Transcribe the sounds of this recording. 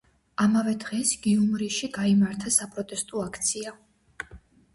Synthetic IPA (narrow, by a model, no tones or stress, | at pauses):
amavɛd̪ʁɛsɡ̥iumɾiʃiɡaimaɾt̪ʰasapʼɾɔt̪ʼɛst̪ʼɔakʰt̪sʰia